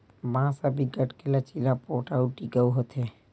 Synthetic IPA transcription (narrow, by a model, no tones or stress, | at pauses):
ʋãsəbʱiɡəʈkelat͡ʃilapoːʈauʈiɡəuɦət̪ʰe